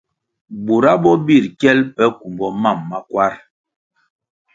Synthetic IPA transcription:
bu˨ɾa˦bɔ˦bi˦˨ɾkɛ˦lpɛ˦ku˨mbɔ˨ma˦˨mːa˨kwa˦ɾ

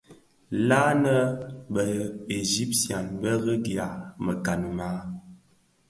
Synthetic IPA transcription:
la˦nə˦bə˨e˨zi˦p̚sja˨nbə˦ɣə˦ɡja˨mə˨ka˨n˨ma˨˦

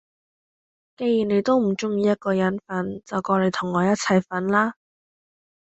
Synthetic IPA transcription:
ke˧ji˨˩ne˨˧jt̪o˥wm̩˨˩t͡ʃʊ˥ŋjiː˧jɐ˥t̚kɔː˧jɐ˨˥nfɐ˨˥nt͡sɐ˨wkɔː˧le˨˧jt̪ʰʊ˨˩ŋːɔː˨˧jɐ˥t̚t͡sʰɐ˧jfɐ˨˥nlaː˥

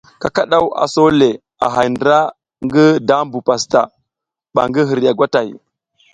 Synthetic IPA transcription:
ka˨ka˦ɗa˦wa̰˨so˦le˨ | a̰˨ɦa˨jndɾa˦ | ŋɡi˦da˦m˦bu˨pa˨sta̰˨ | ɓa̰˨ŋɡi˦ɦi˨ɾja˨ɡʷa˦ta˨j

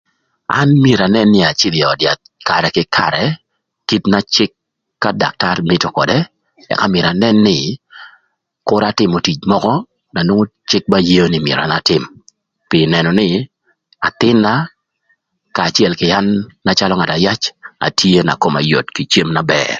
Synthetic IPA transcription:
a̰˦nmje˨ɾa˨nɛ˦nːɪ˦a˨t͡ʃi˦di˨ɔ˨dja˨t̪̚ka˨ɾɛ˨kɪ˦kʰa̰˨ɾɛ | ki˦tna˦t͡ʃɪ˦kː | a˦da̰˨k̚ta˦rmɪ˦to˨kɔ˨dɛ˦ | ɛ̰˨ka˦me˨ɾa˨nɛ˦nːɪ˨ | kʊ˦ɾa˦tɪ˦mo˨ti˨t͡ʃmɔ˦kɔ˦ | na˨nwo˦ŋo˦t͡ʃɪ˦k̚ba˦je˦jo˦nɪmjḛ˨ɾɔa̰˨na˦tɪ˦m | pɪ˨nɛ˨nɔ˨nɪ˦ | a̰˨t̪ɪ˦nːa˦ | kaː˨t͡ʃjɛ˦lkɪ˨a˦nːa˦t͡ʃa˦lɔ˦ŋa˨ta˨ja˦t͡ʃa̰˨tʰje˦na̰˨ko˨ma̰˨jo̰˨tki˨t͡ʃe˦mna˦bɛ̰ː˦r

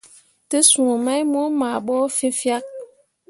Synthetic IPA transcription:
tə˦su˨o˨ma˦jmo˦ma˨ɓɔ˦fi˦fja˦k̚

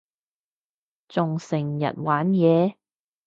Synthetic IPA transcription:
t͡sʊ˨ŋsɪ˨˩ŋjɐ̰˨t̚waː˨˥njɛː˨˧

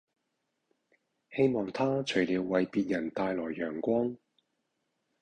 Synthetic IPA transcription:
he˥jmɔː˨ŋt̪ʰaː˥t͡ʃʰɵ˨˩ɥliː˨˧wːɐ˨jpiː˧t̚jɐ˨˩nt̪aː˧jlɔː˨˩jːœː˨˩ŋkʷɔː˥ŋ

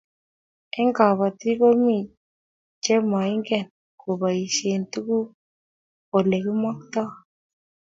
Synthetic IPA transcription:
ɛ˦ŋɡa˨βa˨t̪i˦ko˦mi˦˨ | t͡ʃe˦ma˨i˦ŋɡɛ˦˨n | ko˨ba˨i˨se˨nt̪u˦ku˦ | o˨le˨ɡɪ˦ma˦k̚t̪a˦

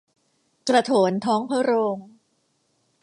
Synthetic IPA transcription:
kɾa˧t̪ʰoː˩˦nt̪ʰɔː˦˥ŋpʰɯ˦˥ɾoː˧ŋ

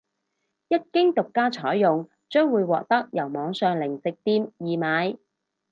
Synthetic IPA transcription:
jɐ˥t̚kɪ˥ŋt̪ʊ˨kːaː˥t͡ʃʰɔː˨˥jːʊ˨ŋ | t͡ʃœː˥ŋwuː˨˧jwɔː˨k̚t̪ɐ˥k̚jɐ˨˩wmɔː˨˧ŋsœː˨ŋlɪ˨˩ŋt͡sɪ˨k̚t̪iː˧mjiː˨maː˨˧j

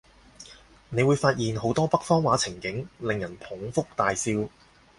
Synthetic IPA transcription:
ne˨˧jwuː˨˧jfaː˧t̚jiː˨˩nɦo˨˥wt̪ɔː˥pɐ˥k̚fɔː˥ŋwaː˨˧˥t͡sʰɪ˨˩ŋkɪ˨˥ŋlɪ˨ŋjɐ˨˩npʰʊ˨˥ŋfʊ˥k̚t̪aː˨jsiː˧w

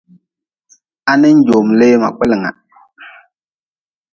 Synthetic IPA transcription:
a˦nɪ˦n̩˦d͡ʒo˨mle˦ma̰˨k͡pɪ˦lɪ˨ŋa̰˨

